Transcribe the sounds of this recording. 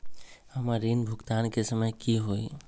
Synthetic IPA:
həmaɾinbʱʊkt̪ankesəməjkiɦoi

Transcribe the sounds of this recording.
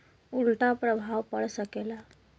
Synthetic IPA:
ulʈapɾəbʱawpəɽsəkela

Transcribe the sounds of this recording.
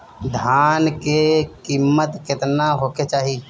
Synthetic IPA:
d̪ʱjaːnkekiːmːət̪kɪt̪naɦoːket͡ʃaːɦi

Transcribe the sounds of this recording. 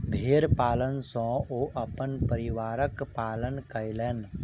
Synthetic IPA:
bʱeːɾpaːlənsɔ̃ːʔoːʔɐpənpəɾɪʋaːɾəkpaːlənkəjlen

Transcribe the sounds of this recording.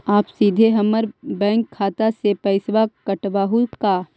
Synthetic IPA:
aːpsiːd̪ʱeɦɐməɾbɛ̃ːŋkʰːaːt̪asepɐɪsʋakəʈʋaːɦukaː

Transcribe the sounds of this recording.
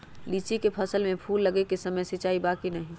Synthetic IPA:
liːt͡ʃikepʰɐsəlmẽpʰuːlːɐɡekesɐməjsɪt͡ʃaːibaːkinɐɦĩː

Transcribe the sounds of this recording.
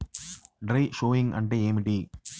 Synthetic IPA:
ɖɾɐjʂoːiŋɐ̰ɳɖeeːmiɖi

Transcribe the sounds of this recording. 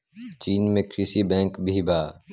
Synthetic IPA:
t͡ʃiːnmẽkɾisibɛ̃ːŋkbʱibʱaː

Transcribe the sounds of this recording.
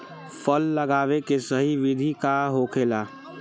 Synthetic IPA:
fʰəlːəɡaːʋekesəɦiʋɪd̪ʱikaɦoːkʰelaː

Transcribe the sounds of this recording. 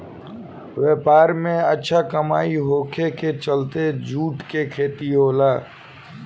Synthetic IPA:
ʋeːpaːɾmẽətːʃʰakəmaːiɦoːkʰeket͡ʃəlt̪ed͡ʒʱuːʈkekʰeːt̪iɦoːlaː

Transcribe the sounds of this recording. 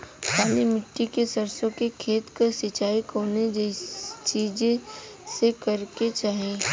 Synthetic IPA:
paːlimɪʈːikesəɐɾsõkekʰeːt̪kɐsɪt͡ʃaːikoːned͡ʒt͡ʃiːd͡ʒ | sekɐɾket͡ʃaːɦieː

